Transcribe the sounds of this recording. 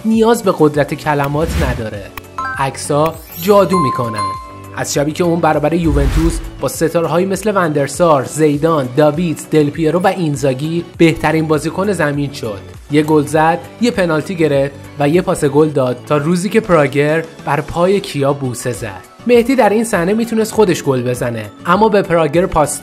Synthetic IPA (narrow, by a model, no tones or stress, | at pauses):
nijɒːzbeɣo̞d̪ɾæt̪ʰecʰælæmɒːt̪ʰnæd̪ɒːɾeʔæcʰsɒː | d͡ʒɒːd̪uːmiːkʰo̞nænd̪ | ʔæz̥ʃæbiːcʰe̞uːnbæɾɒːbæɾejuve̞nt̪ʰusb̥ɒːse̞t̪ʰɒːɾɦɒːjimesle̞vænd̪e̞ɾsɒɾze̞jd̪ɒːnd̪ɒvid̪d̪̥e̞lpʰieɾovæʔinzɒːɟiːb̥e̞ht̪ʰæɾiːnbɒːziːkʰone̞zæmiːnʃo̞d̪̥ | je̞ɡolzæd̪̥̚ | je̞pʰe̞nɒlt̪ʰiɟe̞ɾe̞ft̪ | væjepʰɒːseɡo̞ld̪ɒːd̪̥̚t̪ʰɒːɾuːziːcʰe̞pʰɾɒːɟe̞ɾb̥æɾpʰɒːjecʰijɒːbuːse̞zæ̰d̪̥ | me̞hd̪iːd̪æɾinsæhne̞mit̪ʰunest̪χxo̞d̪eʃɡo̞lbe̞zæne̞ʔæmːɒːbe̞pʰɾɒɟe̞ɾpʰɒːs